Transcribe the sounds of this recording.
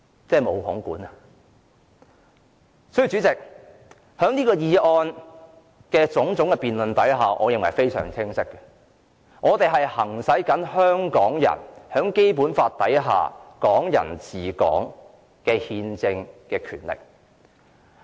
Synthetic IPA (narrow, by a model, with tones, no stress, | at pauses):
t͡sɛː˥˩mo˨˧whʊ˨˥ŋkuː˨˥nɐ˧ | sɔ˥jːt͡syː˨˥t͡sɪ˨k̚ | hœː˨˥ŋniː˥kɔː˧jiː˨˧ɔː˧n | kɛː˧t͡sʊ˨˥ŋt͡sʊ˨˥ŋkɛː˧piː˨nlɵ˧nt̪ɐ˨˥jɦaː˨˩ʔɔ̰ː˨˧jɪ˨ŋwɐ˨˩jfe˥jsœ̰ː˨˩ŋt͡sʰɪ˥ŋsɪ˥kːɐ̥˧ | ŋɔː˨˧t̪e˨jɦɐ˨jhɐ˨˩ŋsɐ˨˥jkɐ˨˥nhœː˥ŋkɔː˨˥ŋjɐ̰˨˩nhœː˨˥ŋke˥jpuː˨˥nfaː˧t̚t̪ːɐ˨˥jɦa̰ː˨kɔː˨˥ŋjɐ̰˨˩nt͡siː˨˩kɔ̰ː˨˥ŋ | kɛː˧hiː˧nt͡sɪ˧ŋkɛː˧kʰyː˨˩nlɪ̰˨k̚